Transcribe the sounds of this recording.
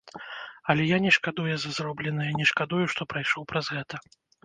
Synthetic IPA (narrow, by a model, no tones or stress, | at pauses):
ɐlʲɛjanʲɛʂkad̪ujɛzɐzrɔblʲɛnɐjɐnʲɛʂkad̪ujuʂt̪ɔpɾajʂɔwpɾɐzɣɛt̪ɐ